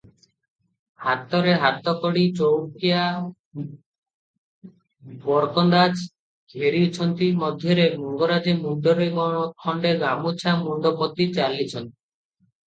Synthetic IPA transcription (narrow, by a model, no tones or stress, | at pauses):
hat̪ːɔɾeɦat̪ːɔkɔɽit͡ʃowkija | bɔɾkɔnd̪ad͡ʒ | ɡʱeɾit͡ʃʰɔnt̪imɔd̪ʱjɔɾemuŋɡɔɾad͡ʒemunɖ̪ɔɾeɡɔ̃ɔkʰɔɳɖeɡamut͡ʃʰamuɳɖ̪ɔpɔt̪ːit͡ʃalit͡ʃʰɔnt̪i̥